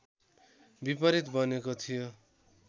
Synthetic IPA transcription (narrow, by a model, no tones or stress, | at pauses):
bipʌɾit̪bʌnekot̪ʰijo